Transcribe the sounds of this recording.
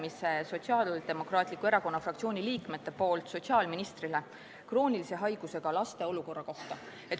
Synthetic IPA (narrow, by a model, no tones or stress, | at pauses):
mise̞so̞t̪siɑːld̪e̞mo̞krɑːt̪ˑlikːˑue̞ɾɑko̞nːɑfrɑkt̪sio̞ːnʲiliːkme̞t̪ːe̞po̞ːlt̪so̞t̪siɑːlminist̪rile̞ | kro̞ːnʲilise̞ɦɑjɡ̥use̞ɡ̥ɑlɑst̪e̞o̞luko̞rːɑko̞ht̪ɑ | e̞t̪